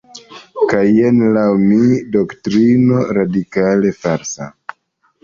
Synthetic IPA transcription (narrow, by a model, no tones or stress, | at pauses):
kajenlawmido̞ktɾinoɾadikale̞faɾsa